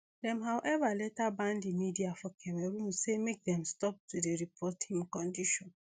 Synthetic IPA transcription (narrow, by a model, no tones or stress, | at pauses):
dɛ̃mɦawʔɛvalɛtabãndimidiafɔkʰɛwɛɾũmsemek̚dɛ̃mstɔp̚tudeɾipʰɔtʰĩŋkɔ̃ndiʃɔ̃n